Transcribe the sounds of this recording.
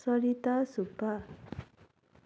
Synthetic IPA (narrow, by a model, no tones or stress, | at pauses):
sʌɾit̪asupːa